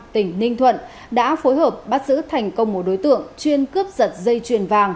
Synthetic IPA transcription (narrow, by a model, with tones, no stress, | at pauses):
t̪ï˨˧˩ŋ̟nï˧ŋ̟t̪ʰwə̰˧˨n | ɗa̰ː˧˥fo˨˦jɦəː˨˩p̚ɓaː˦˥t̚zɨ̰˧˥t̪ʰa˨˩jŋ̟kə˧wŋ͡mmo˨˦ɗo˨˦jt̪ɨ̰˧˨əŋt͡ɕwi˧ənkɨ˦˥əp̚zə˨˩t̚zə˧jt͡ɕwi˨˩ənvaː˧˩ŋ